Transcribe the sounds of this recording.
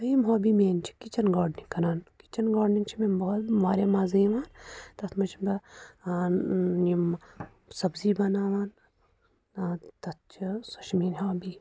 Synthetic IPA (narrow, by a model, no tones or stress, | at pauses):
ɐimɦoːbiːmeːnt͡ʃʰi̥kit͡ʃɐnɡaːɖniŋkɐɾaːnki̥t͡ʃɐnɡaːɖniŋt͡ʃʰimeːbɐt̪ʋaːɾeːmaːzɐĩʋaːnt̪ɐt̪mɐt͡ʃʰibɐ | im | sɐbziːbɐnaːʋaːn | t̪ɐt̪̚t͡ʃʰisuʃmiːnɦoːbiː